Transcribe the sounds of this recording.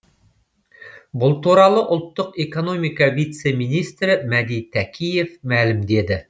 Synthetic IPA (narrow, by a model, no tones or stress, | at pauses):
bʊlˠt̪uɾɑlˠəʔʊlˠt̪ːəqe̞ko̞no̞mijkɑvijt̪se̞mijnijst̪ɾɪmæd̪ijt̪ʰækʲʰije̞fmælɪmd̪e̞d̪ɪ